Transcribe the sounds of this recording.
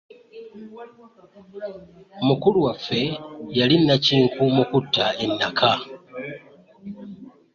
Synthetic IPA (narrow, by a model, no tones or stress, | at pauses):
mukuluwafe̞jalinːaciːŋkʰumukutːaenːakʰa